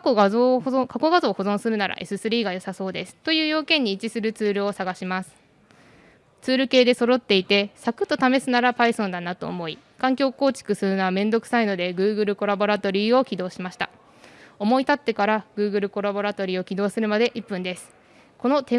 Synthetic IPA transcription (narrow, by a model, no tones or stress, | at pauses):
koɡazoːkʰako̞ɡazo̞ːho̞zõ̞ɰ̃sɨɾɯ̟naɾʔa̰ʔe̞sɨsɨɾʲiːɡajo̞saso̞ːd̪e̞sɨ̥t̪ojɯ̟ːjo̞ːkẽ̞ɲ̟ːiːt͡ɕisɨɾɯ̟t͡sɨːɾɯ̟o̞saɡaɕimasɨ̥ | t͡sɨːɾɯ̟ke̞ːd̪e̞so̞ɾo̞t̪ːe̞it̪e̞sakɯ̟̥t̪ːo̞t̪ame̞sɨnaɾapaisõnd̪anat̪o̞̰ːmo̞i | kãŋkʲo̞ːko̞ːt͡ɕi̥kɯ̟sɨɾɯ̟noamẽ̞nd̪o̞kɯ̟̥saino̞d̪e̞ɡɯ̟ːɡɯ̟ɾɯ̟ko̞ɾabo̞ɾat̪o̞ɾʲiːo̞kʲid̪o̞ːɕimaɕi̥t̪a̰ | o̞mo̞it̪at̪ːe̞kaɾaɡ̥ɯ̟ːɡɯ̟ɾɯ̟ko̞ɾabo̞ɾat̪o̞ɾʲiːo̞kʲid̪o̞ːsɨɾɯ̟mad̪e̞ʔipːɯ̟̃nd̪e̞sɨ̥ | ko̞no̞t̪e